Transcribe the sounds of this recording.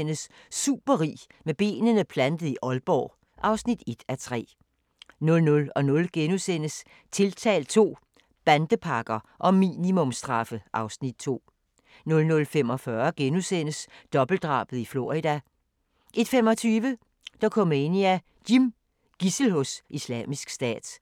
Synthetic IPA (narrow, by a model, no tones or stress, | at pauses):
n̰s | sːṵːb̥ɐʁḭː | meb̥e̝̰ːnənəpʰlænd̥ð̩ˠiʔɒ̽lb̥ɒ̰ː | ʔɑ̈ʊsnid̥e̝d̥æt͡sʰʁɛ̰ː | nɔ̽lnɔ̽lɒ̽nɔ̽lɡ̥enusen̰əs | t͡sʰe̝lt͡sʰɛ̰ːl̥̚t͡sʰo̝̰ː | b̥ænd̥əpʰɑ̈ɡ̥ɐʔɒ̽mḭːnimɔ̽msd̥ʁɑ̈fəʔɑ̈ʊsnid̥̚t͡sʰo̝̰ː | nɔ̽lnɔ̽lfem̰ɒ̽fɶɐɡ̥enusen̰əsd̥ɒ̽b̥l̩d̥ʁɑ̰̈ːb̥ð̩ˠiflo̝̰ʁid̥æ | ʔe̝d̥femɒ̽t͡sʰyːʋə | d̥ɑkʰɒ̽m̰e̝niæ | ɡ̥im | ɡ̥isl̩hosislɛ̰ːmisɡ̥sd̥ɛ̰ːd̥